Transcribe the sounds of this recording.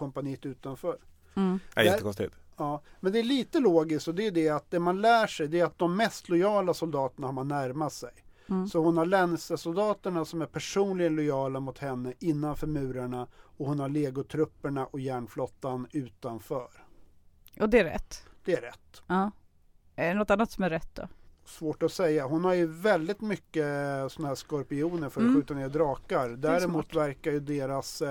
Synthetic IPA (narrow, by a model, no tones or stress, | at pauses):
kɔmpaniːt̪ʉ̟ːt̪anfœːɾ̰ | jɛːəkɔst̪ɪ̰t̪ɑːmɛnd̪ɛæɭiːt̪əloːɡɪskt̪ɔd̪ɛd̪ɛat̪̚d̪ɛmanlæːʂɛjd̪ɛæɾat̪̚d̪ɔmːɛst̪lɔjɑːlasɔld̪ɑːt̪əɳahaɾmanːæɾmat̪sɛj | sɔhʊnhaɭɛnːsəsʊld̪ɑːt̪əɳasɔmæɾpʰæʂuːnlɪɡənlɔjɑːlamʊt̪hɛnːəʔɪnːanfœɾmʉ̟ːɾaɳaɔhʊnhaɭeːɡʊt̪ʰɾɵpːəɳaʔɔjæːɳflɔt̪ːanʉ̟ːt̪anfœːɾ | ɔd̪ɛæɾɛ̰t̪ːd̪̥ɛæɾɛ̰t̪ː | æɛnɔt̪ːanːat̪sɔmæɾɛt̪̚d̪ɔ̰svoːʈɔsɛjːaɦʊnhaɾjɵvɛld̪ɪt̪mʏkːəsɔnahæːʂkɔɾpɪuːnəɾfœɾɔɧʉ̟ːt̪aneːd̪ɾɑːkaɾd̪æːɾɪmuːt̪væɾkaɾjɵd̪eːɾas